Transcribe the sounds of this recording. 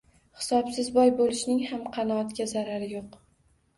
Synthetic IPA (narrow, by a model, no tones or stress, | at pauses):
hɪ̥sɒpsɪzbɒjbolɪʃnɪŋhamqʰɑnɒːt̪kʲazaɾaɾɪjoq